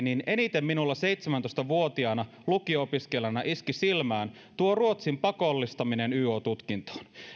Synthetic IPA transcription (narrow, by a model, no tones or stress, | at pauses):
nine̞nit̪emːinulːɑse̞ijt̪semænt̪ost̪ɑʋuot̪iɑnɑ | lukiopiskelænɑʔiskisilmæːn | t̪uoruo̞t̪simpɑkolːist̪ɑminenyːoːt̪ut̪kint̪o̥ːn